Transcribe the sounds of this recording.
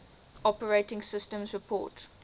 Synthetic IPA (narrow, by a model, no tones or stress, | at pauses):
ɔpəɹeɪtɪ̃ŋsɪstə̃mzɹɪpʰɔ̰ːt